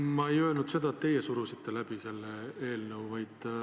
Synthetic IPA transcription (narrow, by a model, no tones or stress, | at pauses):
mɑejøːlnud̪se̞d̪̥ɑet̪ːe̞jesuɾusit̪ːelæb̥ise̞lːee̞ːlnəwvɑjd̪̥